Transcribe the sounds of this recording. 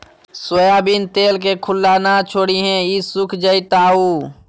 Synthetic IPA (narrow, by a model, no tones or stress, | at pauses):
swəjaːbint̪eːlk̬ekʰʊlːaːnat͡ʃʰoːɽiɦɛ̃isʊkʰd͡ʒəit̪aːuː